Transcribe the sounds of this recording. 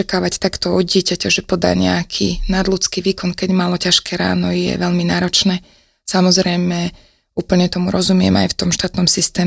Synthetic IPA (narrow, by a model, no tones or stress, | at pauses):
akaːʋact̪akt̪ɔɔd̪̚ɟɪɛcacaʒɛpɔd̪a̰ːɲɛ̰akʰḭnad̪lut͡skiʋiːkɔnkɛɟmalɔcaʃkɛɾa̰ːnɔjɛ̰ʋɛʎminaːɾɔt͡ʃnɛː | samɔzɾɛjmɛ | uːpl̩ɲɛt̪ɔmuɾɔzumɪɛ̰ma̰jft̪ɔmʃt̪aːt̪nɔmsist̪ɛː